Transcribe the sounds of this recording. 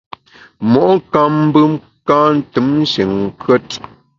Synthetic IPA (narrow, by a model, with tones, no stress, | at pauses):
mɔ˨ʔka˦m̩˦bɨ˦m | ka˦n̩˦tɨ˨˦mn˦ʃe˨ŋ˨kɥə˦t̚